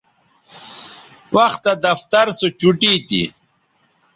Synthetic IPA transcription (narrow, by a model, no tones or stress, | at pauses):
wɐxt̪ɐd̪ɐft̪ɐɾsot͡ɕuʈiːt̪ḭ